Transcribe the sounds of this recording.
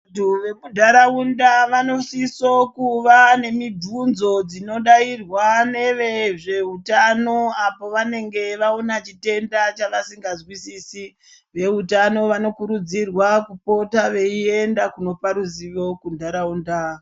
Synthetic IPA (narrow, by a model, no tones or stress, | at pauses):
tuʋemudʱaɾaundaʋano̞sisokuʋane̞midʱunzo̞d͡zino̞ɗairwane̞ʋeʐe̞utano̞apo̞ʋane̞ŋɡe̞ʋaonat͡ʃite̞ndat͡ʃaʋasiŋɡazwisisi | ʋe̞utano̞ʋano̞kuɾud͡zirwakupo̞taʋe̞ie̞ndakuno̞paɾuziʋo̞kundʱaɾaunda